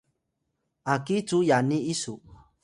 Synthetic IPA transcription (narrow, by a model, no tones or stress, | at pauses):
akit͡sujaniisu